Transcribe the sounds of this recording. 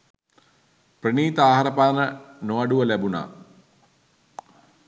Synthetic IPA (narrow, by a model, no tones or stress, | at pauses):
priniːt̪aːɦaɾəpaːnənoaɖuʋəlæbuna̰ː